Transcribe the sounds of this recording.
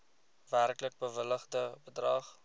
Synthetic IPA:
værklək̚bəvələχdəbədrɑːχ

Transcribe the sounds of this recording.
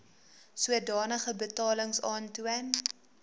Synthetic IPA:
suədɑːnəχəbətɑːləŋsɑːntuən

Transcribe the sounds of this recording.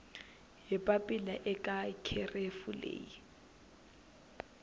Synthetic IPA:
jɪpʼapʼilaʔɪkʼakʰɪrefulḛːji

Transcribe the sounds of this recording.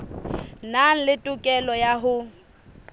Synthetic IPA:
naŋ̩lɪtʼʊkʼɛlɔjaɦʊ

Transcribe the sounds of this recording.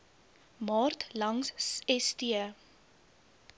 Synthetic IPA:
mɑːrtlɐŋsɛstiə

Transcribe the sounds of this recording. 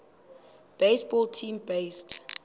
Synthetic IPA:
b̥eɪsbɔltʰĩmbest

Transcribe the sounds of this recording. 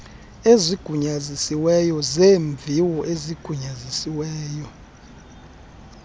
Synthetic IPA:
eziɡ̥ʱuɲazisiwɛjɔzeːɱvʱiwɔʔeziɡ̥ʱuɲazisiwɛːjɔ

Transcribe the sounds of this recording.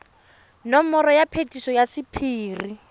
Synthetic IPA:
nɔmɔɾɔjapʰetisɔjasipʰiːri

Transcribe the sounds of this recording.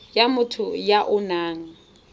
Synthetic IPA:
jamʊtʰʊjaʔʊnaːŋ̩

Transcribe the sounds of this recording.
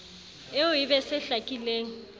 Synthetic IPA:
ɪʊibɛsɪɬakʼileːŋ̩

